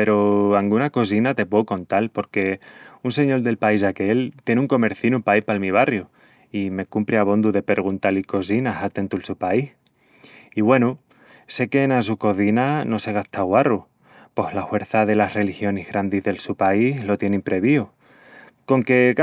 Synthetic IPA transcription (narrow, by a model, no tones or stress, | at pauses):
pe̞ɾoaŋɡunako̞s̬inat̪e̞pwe̞uko̞nt̪alpo̞ɾke̞unse̞ɲo̞ld̪e̞lpaisake̞lt̪je̞neuŋko̞me̞ɾθinupaipalmiβ̞arju | ime̞kumpɾeaβ̞o̞nd̪uðe̞pe̞ɾɣ̞unt̪aliko̞s̬inasat̪e̞nt̪ulsupaih | iβwe̞nu | se̞ke̞ːnas̬uko̞θinano̞se̞ɣ̞aht̪aɣwaru | po̞hlahwe̞ɾθaðe̞lasre̞lixjo̞nehɣɾand̪iɦðe̞lsupaihlo̞t̪je̞nimpɾe̞βio | ko̞ŋke̞k